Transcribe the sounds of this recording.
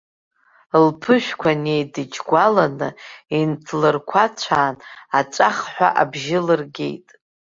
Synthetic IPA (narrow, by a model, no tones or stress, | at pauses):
lpʰɨʃᶣkʷʰanejdɨd͡ʒɡʷalanɨintʰlɨrkʷʰat͡ɕʷʰaːnat͡ʃʷʼaχħʷᶣa̰ʔabʒɪlɨrɡʲe̞̰jtʼ